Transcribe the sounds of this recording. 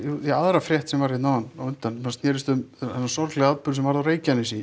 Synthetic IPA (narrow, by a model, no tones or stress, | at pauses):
uiaðɾafɾjɛht̪sɛmvaɾ̥et̪naːanawʏnt̪anmanst̪nɛːɾɪst̪ʏmɛsːasɔɾt̪lɛɣaaðpʏɾsɛmvaɾðawɾeːjcanːisi